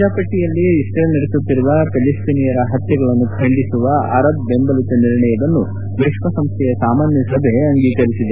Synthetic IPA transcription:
aːpɐʈːijɐlːiːsʈɾeːlniɾet̪ut̪ːiɾuʋɐpelisʈinijɐɾɐɦɐt̪jɐɡɐɭɐnːukʰɐɳɖisuʋɐɐ̰ɾɐbːembɐlit̪ɐniɾɳɐjɐd̪ɐnːu | ʋeːʂʋɐsɐmst̪ʰɛjɐsaːmaːnjɐsɐbʱeɐŋɡiːkɐɾisid̪e

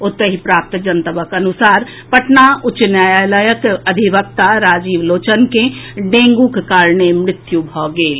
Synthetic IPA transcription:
ʊt̪ːəɦipɾaːp̚t̪d͡ʒənt̪əbəkɐnʊsaːɾ | pɐʈnaʊt͡ʃnjaːjaːləjəkəd̪ʱiʋəp̚t̪aɾaːd͡ʒiːʋloːt͡ʃənkeɖẽːŋɡukkaːɾnemɾɪt̪jubʱɔːɡeːl

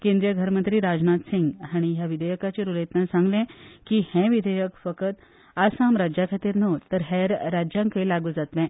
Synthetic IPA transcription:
kẽnd̪ɾijəɡʱəɾmənt̪ɾiːɾad͡znat̪siŋɡɦaɽ̃iɦjaʋid̪ʱəjəkat͡ɕeɾulet̪nasãŋɡlɛ̃kihɛ̃ʋid̪ʱəjəkfəkət̪ | asãmɾad͡ʑjakʰat̪iːɾnot̪əɾɦɛɾːad͡ʑjãŋkəjlaɡuːd͡zat̪lɛ̃

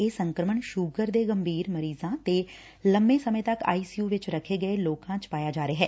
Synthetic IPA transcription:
eːsə̃ŋkɾəməɳʃʊːɡəɾd̪eːɡəmbʱiːɾməɾiːzãːt̪eː | ləmbẽːsəmẽːt̪əka̰ːiːsijuːʋɪt͡ʃɾəkʰːeːɡəeloːkãːt͡ʃpaːjaːd͡ʒaːɾeːɦɛː

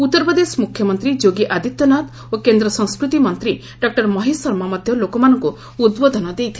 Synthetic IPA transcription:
ut̪ːɔɾpɔd̪esmukʰjɔmɔnt̪ɾid͡ʒoɡiʔad̪ʱit̪ːɔnat̪ | okend̪ɾɔsɔ̃ŋ̃skɾut̪imɔnt̪ɾi | ɖɔk̚ʈɔɾmɔɦisɔɾmamɔd̪ʱjɔlokɔmanɔŋku | ud̪bod̪ʱɔnɔd̪ejt̪ʰi

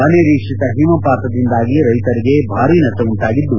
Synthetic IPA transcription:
ɐneɾiːkʂit̪ɐɦimɐpaːt̪ɐd̪ind̪aːɡiɾɐjt̪ɐɾiɡe̞bʱaːɾiːnɐtɐuɳʈaːɡid̪ːu

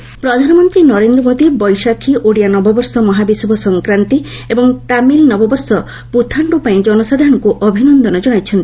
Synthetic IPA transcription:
pɾɔd̪ʱanɔmɔnt̪ɾinɔɾend̪ɾɔmod̪ibɔjsakʰiʔoɽijanɔbɔbɔɾsɔmɔɦabisubʱɔsɔŋkɾant̪iebɔŋt̪amilnɔbɔbɔɾsɔ | put̪ʰaɳɖupaĩd͡ʒɔnɔsad̪ʱaɔ̃ɽ̃ɔŋkuʔɔbʱinɔnd̪ɔnɔd͡ʒɔɽ̃ajt͡ʃʰɔnt̪i̥

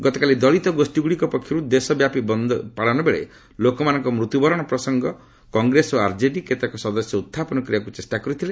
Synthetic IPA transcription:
ɡɔt̪ɔkalid̪ɔɭit̪ɔɡosʈiɡuɽikɔpɔkʰjiɾud̪esɔbjapibɔnd̪paɽɔnɔbeɭḛ | lokɔmanɔŋkɔmɾut̪jubɔɾɔɽ̃ɔpɾɔsɔŋɡɔ | kɔŋɡɾesoaɾd͡ʒeɖiket̪akɔsɔd̪ɔsjɔut̪ʰːapɔnɔkɾijakut͡ʃesʈakɔɾit̪ʰile

